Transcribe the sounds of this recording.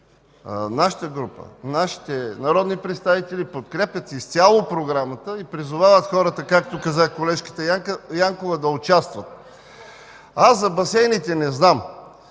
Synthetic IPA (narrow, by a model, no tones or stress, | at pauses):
naʃə̥t̪əɡɾupə̰naʃi̥t̪ɛnɐɾɔd̪nipɾɛt̪st̪avit̪ɛlipot̪kɾɛpʲjɐt̪ist̪sʲalˠopɾoɡɾamət̪əipɾizʊvavət̪xɔɾət̪əkak̚t̪okɐzakolɛʃkə̥t̪əjaŋkovəd̪ɐʊt͡ʃast̪vət̪̚ | aszzɐbɐsɛjnit̪ɛnɛznam